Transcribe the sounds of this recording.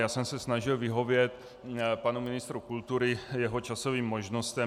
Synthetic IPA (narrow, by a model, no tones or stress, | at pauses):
jaːsɛmsɛsnaʒɪlvɪɦo̞vjɛt̪ | panumɪnɪst̪ɾukult̪uɾɪjɛɦot͡ʃaso̞viːmːoʒnost̪ɛ